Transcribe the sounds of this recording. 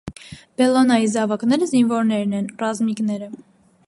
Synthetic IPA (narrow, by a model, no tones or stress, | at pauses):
b̥ɛlɔnɑjizɑvɑknɛɾəzinvɔɾnɛɾnɛnrɑzmiknɛɾə